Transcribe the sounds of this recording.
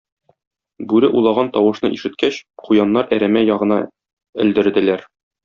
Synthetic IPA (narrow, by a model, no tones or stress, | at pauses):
bʉɾɘʔulˠɑʁɑnt̪ɒwɤ̆ʃnɤʔiʃɘ̆t̪̚kæɕqujɑnːɑɾæɾæmæjɒʁɤ̆nɑ | ɘ̆ld̪ɘ̆ɾd̪ɘ̆læɾ